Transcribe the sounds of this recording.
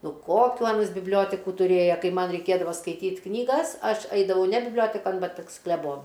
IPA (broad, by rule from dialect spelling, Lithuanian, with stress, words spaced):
ˈnʊ ˈkoːkʲuː ˈɑːnɐs bʲɪbʲˈlʲoːtʲɛkʊ tʊˈrʲeːjɛ ˈkɐɪ ˈmɐn rʲɛɪˈkʲeːdɐʋɐ skɐɪˈtʲiːtʲ knʲiːˈɡɐs ˈɐʃ ˈɐɪdɐʋɐʊ nʲɛ bʲɪbʲˈlʲoːtʲɛkɐn ˈbʲɛt pɐs klʲɛˈboːnʊ